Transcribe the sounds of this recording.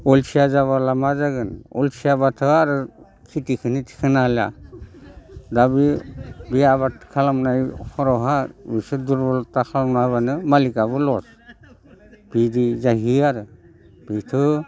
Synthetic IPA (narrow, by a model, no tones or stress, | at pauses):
ɔlsijazaβalamazaɡɯnɔ̰lsijabatʰɯaɾɯ | kʰitikʰɯnitʰi̥kʰɯnala̰ | dabibiaβatʰkʰalamnajkʰɔɾɔɦabisɯduɾbɔlɔtːakʰalamnaβanɯmalikabɯlɔs | b̥idizaɦiaɾɯ | b̥itʰɯ